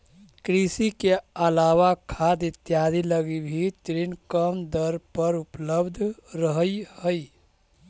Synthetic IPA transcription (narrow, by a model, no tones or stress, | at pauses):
kɾisikeəlawakʰad̪it̪jad̪ʱiləɡibʱit̪ɾinkəmd̪əɾpəɾupləbd̪ʱɾəɦəjhəj